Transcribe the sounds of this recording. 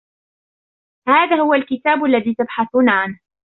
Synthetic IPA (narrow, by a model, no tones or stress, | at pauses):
haːðaːhʊwalkɪt̪aːbʊʔlːaðiːt̪abħaθuːnaʕanh